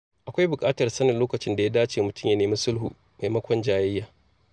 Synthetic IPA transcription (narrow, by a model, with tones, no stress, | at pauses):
ʔa˨kʷa˦jbʊ˨kʼaː˦tɐ˨rsɐ˦nɪ˨nloː˦kɐ˨t͡ʃɪ˦nda˨ja˦daː˦t͡ʃeː˨mʊ˨tʊ˦˨mja˦neː˨mi˦sʊ˦lɦṵː˨ | ma˨jmɐ˦kʷɔ˨nd͡ʒaː˦jɐ˦jːaː˨